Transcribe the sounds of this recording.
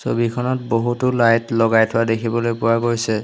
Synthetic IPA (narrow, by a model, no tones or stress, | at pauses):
so̰bikʰɔnɔt̚boɦutʊlajtlɔɡajtʰʊadekʰibɔlojpʊwaɡojsɛ